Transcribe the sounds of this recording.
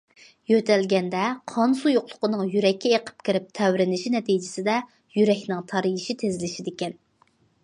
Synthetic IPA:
jøt̪ʰɛlɡʲɛnd̪ɛqʰɑnsujoqlˠʊ̥qʰənɨŋjyɾɛkʲʰːɛeqʰə̥p̚kʲɪɾɪp̚t̪ʰɛwɾɪnɪʃinɛt̪ijd͡ʒɪsɪd̪ɛ | jyɾɛkʲnɪŋt̪ʰɑɾijiʃit̪ʰezɪlɪʃid̪ɪkʲɛn

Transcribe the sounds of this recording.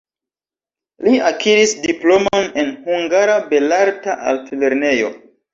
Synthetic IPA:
liakʰiɾisdiplo̞mone̞nhuŋɡaɾabe̞laɾtaʔa̰ltle̞ɾne̞jo̞̰

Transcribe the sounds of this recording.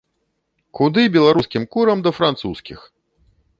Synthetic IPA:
kud̪ɨbʲɛlˠaɾuskʲimkuɾɐmd̪ɐfɾant̪suskʲḭx

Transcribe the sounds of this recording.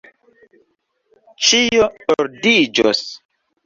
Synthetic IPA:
t͡ʃijooɾdid͡ʒo̰s

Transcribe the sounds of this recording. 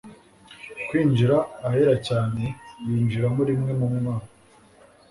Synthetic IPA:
kwiːɲd͡ʒiɾaːheɾacaːne̞jiːɲd͡ʒiɾamoɾimŋe̞mumumaːna

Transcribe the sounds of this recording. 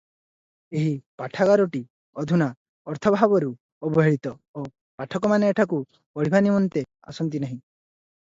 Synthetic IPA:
eɦipaʈʰaɡaɾɔʈi | ɔd̪ʱuna | ɔɾt̪ʰɔbʱabɔɾu | ɔbɔɦeɭit̪ɔo | paʈʰɔkɔmaneeʈʰaku | ɔɭ̤ibʱanimɔnt̪e | a̰sɔnt̪̬inaɦĩ

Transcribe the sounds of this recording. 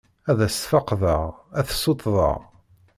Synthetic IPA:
æðæsfɑqðəʁæθsˤot̪ˤðˤə̰ʁ

